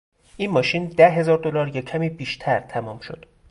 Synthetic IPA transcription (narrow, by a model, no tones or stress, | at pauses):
ʔiːnmɒːʃiːnd̪æɦe̞zɒːɾd̪olɒːɾjɒcʰæmiːbiːʃt̪ʰæɾt̪ʰæmuːmʃo̞̰d̪̥